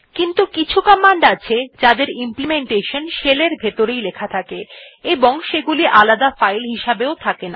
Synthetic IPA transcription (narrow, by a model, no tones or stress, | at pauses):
kint̪ukit͡ɕʰukamːaɳɖat͡ɕʰed͡ʑad̪eɾimplimeɳʈeʃonʃeleɾbʱet̪oɾejlekʰat̪ʰakeeboŋʃeɡuliʔalad̪afajlɦiʃabeot̪ʰakena